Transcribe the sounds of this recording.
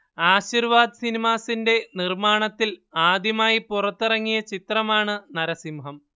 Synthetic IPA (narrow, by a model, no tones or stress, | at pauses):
aːɕirʋaːd̪ɨsinimaːsinde̞nirmaːɳɐt̪ːilaːd̪jɐmaːjipurɐt̪ːirɐŋːijɐt͡ɕit̪rɐmaːɳɨnɐɾɐsimɦɐm